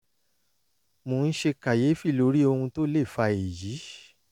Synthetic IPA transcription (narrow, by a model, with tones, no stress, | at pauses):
mõ˨n̩˦ʃe˧ka˨je˨˦fi˦˨lo˨˦ɾi˦o˧hũ˧to˦le˦˨fa˧e˨ji˨˦